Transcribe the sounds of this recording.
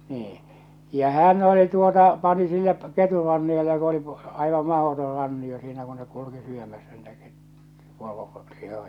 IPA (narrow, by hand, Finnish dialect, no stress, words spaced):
niː jɑ hæn oli tuotɑ pɑni sinːe keturɑnːiotɑ ku oli ɑiʋɑm mɑhotor rɑnːio siːnæ ku nek kuluki syømæsːæ niːtæ ket poro lihojɑ̥